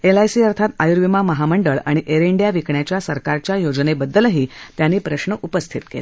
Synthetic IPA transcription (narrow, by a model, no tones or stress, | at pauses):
elajsiːəɾt̪ʰat̪ajuɾʋimaməɦaməɳɖəɭaɽ̃iʔeɾeɳɖijaʋikɳjat͡ɕjasəɾkaɾt͡ɕjajod͡znebəd̪ːəlɦiːt̪janːiːpɾəɕɳəʔupəst̪ʰit̪kḛle